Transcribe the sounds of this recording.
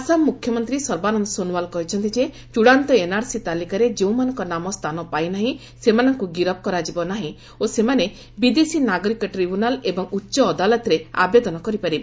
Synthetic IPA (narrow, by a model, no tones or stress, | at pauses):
asammːukʰjɔmɔnt̪ɾisɔɾbanɔnɔsonuwalkɔɦit͡ʃʰɔnt̪id͡ʒe | t͡ʃuɽant̪ɔenaɾsit̪alikaɾed͡ʒeũmanɔŋkɔnamɔst̪ʰanɔpajnaɦĩ | semanɔŋkuɡiɾɔp̚kɔɾad͡ʒibɔnaɦĩ | osemane | bid̪esinaɡɔɾikɔʈɾibunalebɔŋutːʃɔːd̪alɔt̪ɾea̰bed̪ɔnɔkɔɾipaɾib